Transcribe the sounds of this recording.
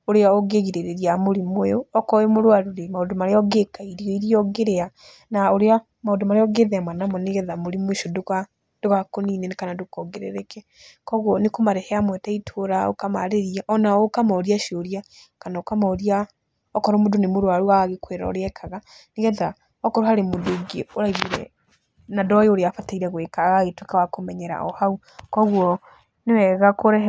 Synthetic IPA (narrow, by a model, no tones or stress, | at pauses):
oɾeaɔɣeɣiɾeɾeɾiamoɾimweoɔkɔemoɾwaɾuɾemaodomaɾeɔɡekaiɾiɔiɾiɔɡeɾea | naoɾea | maondomaɾeɔɡeðɛamanamɔneɣɛðamoɾimweʃoda | d̥oɣakoniːnenekanadokɔɡeɾɛ̰ɾɛkɛ | kɔɣwɔnekomaɾɛhɛamwɛtaitʰoɾao̰kama̰ɾeɾiaʔɔnaokamaoɾiaʃoɾiakanaokamaoɾia | ɔkɔɾɔmodonemoɾoaɾuaaɣekweɾa̰ɔ̰ɾeɛkʰaɣaneɣɛða | ɔkɔɾohaɾemodoɡeoɾaiβiɾɛ̰ | nadɔjeoɾeafataiɾɛɣwekaɣaɣetwekawakomɛɲɛɾa̰ʔɔ̰hau | kɔɣwɔ | newɛɣakoɾɛ